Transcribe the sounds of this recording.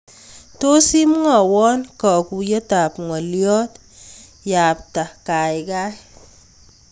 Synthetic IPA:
to˦si˦m˦ŋa˨wɔ˦nkɔ˨ku˨jə˦ta˨pŋɔ˨ljɔ˦t | ja˨p̚ta˨ka˨jɡa˦

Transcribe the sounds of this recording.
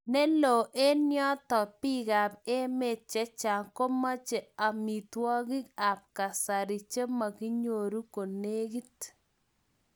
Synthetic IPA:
nɛ˦lo˨ʔe˦njɔ˦tɔ˨pi˦ka˨pe˦me˨t̚t͡ʃɛ˦t͡ʃa˨ŋko˦ma˦t͡ʃe˨a˨mi˨twɔ˦kɪ˦ka˨p̚ka˨sa˨ɾi˨t͡ʃe˦ma˨ki˦ɲo˨ɾu˦ko˨ne˦ki˦t

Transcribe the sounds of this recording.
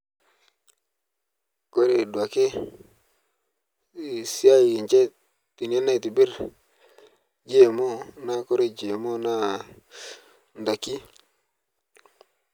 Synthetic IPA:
ko˦ɾe˨dwa˨ke˦˨ | si˦a˦i˨i˨nt͡ʃe˦ | ti˨n˨˦a˦na˦jti˨bi˦ɾ | d͡ʒe˦˨mo˦na˦ko˦ɾe˦d͡ʒe˨mo˦na˦ | nda˨ki˦

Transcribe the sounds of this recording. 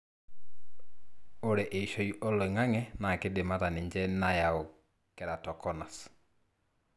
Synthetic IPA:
o˦ɾɛ˨ʔe˨i˨ʃo˨iʔɔ˦lɔ˨ŋa˦ŋɛ˦na˨ke˦dɪ˨ma˦ta˨nɪ˨ɲd͡ʒɛ˦na˦ja˨ɔ˨ | kɛ˨ɾa˨tɔ˨kɔ˦na˨s

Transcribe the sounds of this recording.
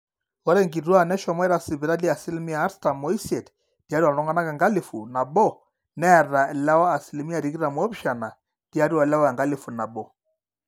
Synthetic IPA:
wɔ˦ɾɛ˦ŋɡi˨twa˦nɛ˦ʃɔ˨mɔ˦ɛ˦ɾa˨si˨βi˨ɾa˦li˦a˨si˦li˦mi˦aː˨˦ɾsta˨mɔ˦i˦sɛ˨t | dja˨˦ɾi˦a˨lɔ˦ŋɡa˦na˦kɛ˨ŋɡa˦li˨fu˨na˨bɔ˦ | nɛ˦˨ra˨la˦waː˦˨si˨li˨mi˦a˨ɾi˨ki˦ɾa˨mwɔ˦pʃa˨na˨ | dja˦ɾi˦wa˨la˦wa˦˨ŋɡa˦li˨fu˨na˨bɔ˦

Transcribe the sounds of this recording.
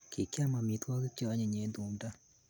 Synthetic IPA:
kʰe˨ka˦ma˨mi˨twɔ˦ke˦t͡ʃːɲɛ˨ɲe˨˦ndu˨nda˦

